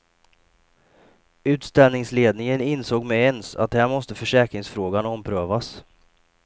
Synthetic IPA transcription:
ʉ̟ːt̪st̪ɛlnɪŋsleːd̪̚nɪŋənɪnsoːɡmɛɛnsa̰t̪̚d̪ɛhæːɾmɔst̪əfœʂɛːkɾɪŋsfɾoːɡanɔmpʰɾøːvas

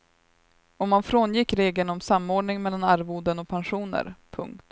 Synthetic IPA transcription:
ɔmːanfɾoːnjɪkːɾeːɡlənɔmsamːoːɖɳɪŋmɛlːanaɾvuːd̪ənɔk̚pʰɛnɧuːnə̰ɾpʰɵ̰ŋkt̪

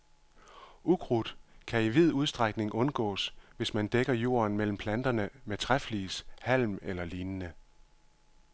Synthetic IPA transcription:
ʔuɡ̥ʁud̥kʰæiʋið̞̰ˠuð̞ˠsd̥ʁaɡ̥ne̝ŋʔɔ̽nɡ̥ɔ̰̽ːsʋe̝smænd̥eɡ̥ɐjo̝̰ːɐnmel̰m̩pʰlænd̥ɐnəmet͡sʰʁafliːshæl̰melɐliːnnə

